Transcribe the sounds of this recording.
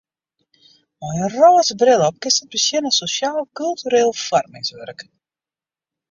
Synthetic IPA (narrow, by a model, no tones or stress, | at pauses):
ɔjənroːəsbrɪlˠɔp̚kɪsət̚bəsjɪnəsosjaːlˠkylˠtyɾeːlˠfɔrmɪ̰ŋsʋœrk